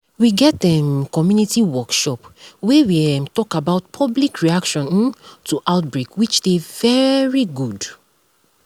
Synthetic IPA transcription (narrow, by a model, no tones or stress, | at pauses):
wiɡɛtɛ̃mkɔmjunitiwɔkʃɔpwewiɛmtɔkabaʊtpʰɔblikɹiakʃɔ̃ntʰuʔaʊtbɹekwit͡ʃdevɛɹiɡud